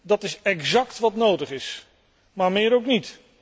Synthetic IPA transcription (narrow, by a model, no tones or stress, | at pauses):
dɑtɪsɛkzɑktʋɑtnowdəχɪs | maːɹmɪːɾowknit